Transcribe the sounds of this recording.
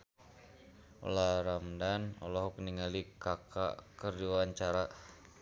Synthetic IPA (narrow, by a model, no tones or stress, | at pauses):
o̰laɾamdanɔ̰lɔɦɔkniŋalikaka̰kərduwaɲt͡ʃaɾa